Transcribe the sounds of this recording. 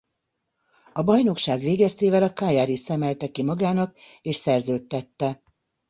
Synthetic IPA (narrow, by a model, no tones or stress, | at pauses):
ɒbɒjno̞kʃaːɡʋeːɡɛst̪eːvɛlɒkaːjaːɾisɛmɛlt̪ɛkimɒɡaːnɒkeːʃsɛrzøːt̪ːɛt̪ːɛ